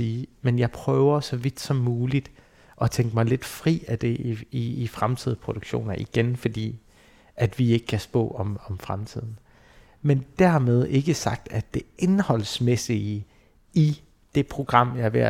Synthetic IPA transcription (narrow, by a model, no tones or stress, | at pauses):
iːmenjɑ̈ɪpʰʁœːʊɐsɒ̽ʋid̥sɒ̽mːuːlid̥ | ʔɒ̽t͡sʰeŋɡ̥əmɑ̈ɪle̝d̥fʁḭːæd̥e̝iiːfʁamt͡sʰið̞̰ˠpʰo̝d̥oɡ̥ɕo̝̰ːnɐʔiɡ̥enfɒ̽d̥ḭː | ʔæd̥ʋie̝ɡ̥əkʰæsb̥ɔ̰̽ːɒ̽mɒ̽mfʁamt͡sʰið̞̰ˠn̩ | mend̥æɐ̰með̞ˠe̝ɡ̥əsɑ̈ɡ̥̚d̥æd̥e̝ʔe̝nhɒ̽l̰smesi | i | d̥e̝pʰʁo̝ɡ̥ʁɑ̈m̰jɑɪʋeɐ